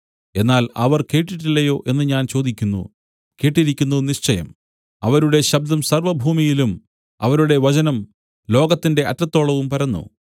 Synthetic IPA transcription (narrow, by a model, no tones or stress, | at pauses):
e̞nːaːlɐ̰ʋɐrke̞ːʈːiʈːilːɐjo̞ːʔe̞nːɨɲaːnt͡ɕo̞ːd̪ikʲːunːṵ | ke̞ːʈːiɾikʲːunːuniɕt͡ɕɐjɐ̰m | ɐʋɐɾuɽe̞ɕɐb̚d̪ɐmsɐrʋɐbʱuːmijilum | ɐ̰ʋɐɾuɽe̞ʋɐt͡ɕɐnɐm | lo̞ːɡɐt̪ːinde̞ʔɐtːɐt̪ːo̞ːɭɐʋumpɐɾɐnːṵ